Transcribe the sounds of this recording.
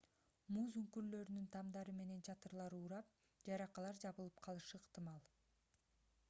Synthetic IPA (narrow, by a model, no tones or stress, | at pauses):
muːzyŋkyɾlø̞ɾynynt̪ʰɑmd̪ɑɾɯme̞ne̞nt͡ʃʰɑt̪ɯɾlˠɑɾuːɾɑp̚ | d͡ʒɑɾɑqɑlˠɑɾd͡ʒɑβɯlˠɯpqʰɑlˠɯʃɯːqt̪ɨmɑlˠ